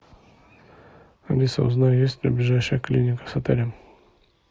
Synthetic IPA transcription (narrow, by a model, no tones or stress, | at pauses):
ɐ̰lʲisə̰ʊ̰znajʊjesʲtʲlʲɐ̰blʲɪʐajʂəjəklʲinʲɪkə̥sɐt̪ɛlʲɪ